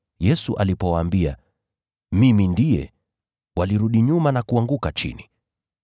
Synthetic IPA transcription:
jɛsuʔalipɔwaːmbia̰ | mimindijɛ̰ | waliɾuɗiɲumanakuaŋɡukat͡ʃḭni

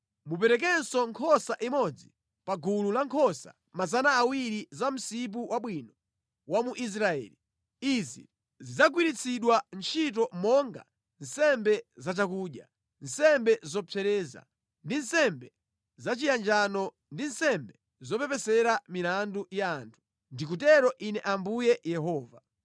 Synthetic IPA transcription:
mup̬ɛɾɛk̬ɛnsɔŋkʰɔsaʔimɔd͡zi | paɡʱululaŋkʰɔsa̰ | mazanaːwiɾizam̩sip̬uwaɓwinɔ | wamuʔis̬ɾaɛ̰ːli | izḭ | zid͡zaɡwiɾit͡sʰiɗwant͡ʃʰit̬ɔmɔŋɡa̰ | n̩sɛmbɛzat͡ʃakuːɗja̰ | n̩sɛmbɛzɔpʰɛɾɛːza̰ | ndin̩sɛmbɛ | zat͡ʃijand͡ʒanɔ | ndin̩sɛmbɛ | zɔpɛpɛsɛɾamilandujaːntʰu̥ | ndikutɛɾɔʔinɛʔambujɛjɛɦɔːva

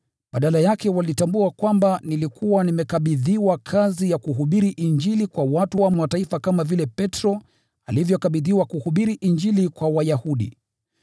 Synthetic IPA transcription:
ɓaɗalajakɛwalitambuakwambanilikuwanimɛkaɓiðiwakʰazijakuɦuɓiɾiʔiɲd͡ʒilikwawatuwamwataifakamavilɛpɛtɾɔ | alivjɔkaɓiðiwakuhuɓiɾiʔind͡ʒilikwawajahuɗḭ

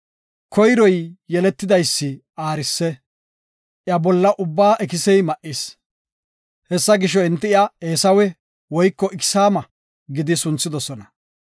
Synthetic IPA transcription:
kʰɔjɾɔjːɛlɛt̪ːɪd̪ɐjsːɪ | aːɾɪsːɛ | ʔjɐbɔlːɐʔʊbːaːʔɛkɪsɛjmɐʔɪs | hɛsːɐɡɪʃ̬ɔɪnt̪ːɪjaeːsɐwɛ | wɔjkːɔʔɪkɪ̥saːmɐ | ɡɪd̪ɪsʊnt͡sːɪd̪ɔsɔnɐ

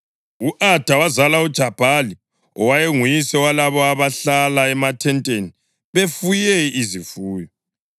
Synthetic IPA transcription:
uʔad̥ʱawazalaud̥ʒ̥ʱab̥ʱali | ɔwajeŋujisɛwalaβɔaβaɬalaɛmatʰɛntʼeni | βefujɛizifuːjɔ

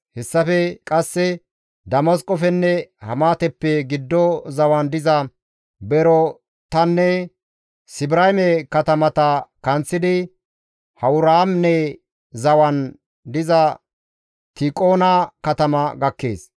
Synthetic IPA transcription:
hɛsːɐfɛkʼɐsːɛ | d̪ɐmɐskʼɔfɛnːɛhɐ̰maːt̪ɛpːɛɡɪd̪ːɔzɐwɐnd̪ɪzɐ | bɛɾɔ | t̪ɐnːɛ | sɪbɪɾajmɛkɐt̪ɐmɐt̪ɐkɐnt͡sːɪd̪ɪ | hɐwʊɾaːmnɛ | zɐwɐn | d̪ɪzɐ | t̪ɪkʼoːnɐkɐt̪ɐmɐɡɐkːḛːs

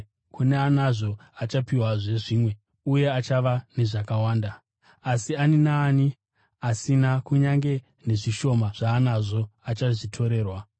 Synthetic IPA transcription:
kuneanaʐo̞at͡ʃapiwaʐe̞ʐiːmwe̞ | uje̞at͡ʃaʋane̞ʐakawaːndaː | sianinaːni | asinakuɲaŋɡe̞ | ne̞ʐiʃo̞maʐ̥aːnaʐo̞at͡ʃaʐitʰo̞ɾe̞ːrwa

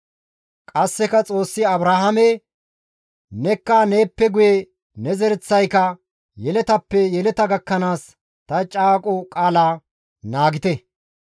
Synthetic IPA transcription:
kʼɐsːɛkɐt͡sʼo̞ːsːɪɐbɾaːhɐmɛ | nɛkːaːne̞ːpːɛɡʊje | nɛzɛɾɛt͡sːɐjkɐ | jɛlɛt̪ɐpːɛjɛlɛt̪ɐɡɐkːɐnaːs | t̪ɐt͡ʃʼaːkʼɔkʼaːlaː | naːɡɪt̪ɛ

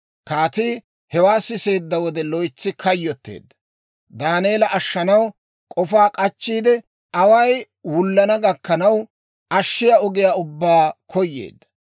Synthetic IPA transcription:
kaːt̪iː | hɛwaːsɪse̞ːd̪ːɐwɔd̪ɛlɔjt͡sːɪkʰɐjːɔt̪ːe̞̰ːd̪ːɐ̥ | d̪aːneːlɐʔɐʃːɐnɐw | kʼɔfaːkʼɐt͡ʃːiːd̪ɛ | ɐwɐj | wʊlːɐnɐɡɐkːɐnɐw | ʔɐʃːɪjaɔɡɪjaːʊbːaːkʰɔjːḛːd̪ːɐ̥

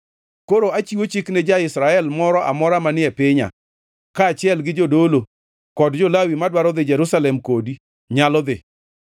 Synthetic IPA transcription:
koɾoat͡ʃiwot͡ʃiknɛd͡ʒaɪsɾaɛlmɔɾɔʔa̰mɔɾamanɪɛpɪɲa̰ | kaːt͡ʃɪɛlɡɪd͡ʒodolo | kɔdd͡ʒɔlawimadwaɾɔd̪ɪd͡ʒɛɾusalɛmkodi | ɲalɔd̪ɪ̰

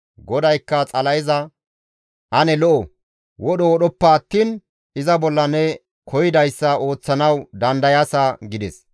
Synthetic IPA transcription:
ɡɔd̪ɐjkːɐt͡sʼɐlɐjɪzɐ | ʔɐnɛlɔʔɔ | wɔɗɔwɔɗɔpːɐːt̪ːiːn | ɪzɐbɔlːɐnɛ | kʰɔjɪd̪ɐjsːɐo̞ːt͡sːɐnɐwd̪ɐnd̪ɐjasɐɡɪd̪ɛs

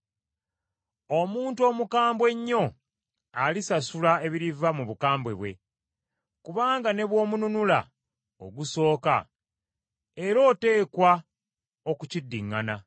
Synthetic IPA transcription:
o̞muːntuo̞ːmukaːmbwe̞ɲːo̞ | alisasulae̞βiɾivamuβukaːmbwe̞̰βwe̞̰ | kuβaːŋɡane̞βwo̞ːmununula̰ | o̰ɡuso̞ːka̰ | e̞ɾo̞ːte̞ːkwa | o̞kucidːiŋːana

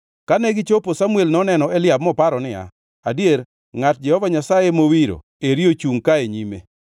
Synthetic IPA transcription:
kanɛɡɪt͡ʃoposamuelnɔnɛnɔelɪab̚mɔpaɾɔnɪa̰ | adjeɾ | ŋat̚d͡ʒɛhɔvaɲasajemowiɾo̰ | eɾiot͡ʃuŋkaeɲimḛ

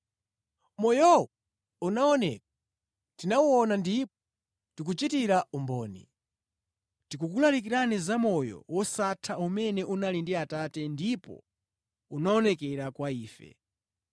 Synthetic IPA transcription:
mɔjɔwɔ | unaɔnɛ̰k̚ḁ | tinawuɔnandipɔ̥ | tik̬ut͡ʃitiɾaumbɔːnḭ | tikukulalik̬iɾanizamɔjɔ̰wɔsatʰaumɛnɛʔunalindiatatɛndipɔ̰ | unaɔnɛkɛɾakwaiːfɛ̰

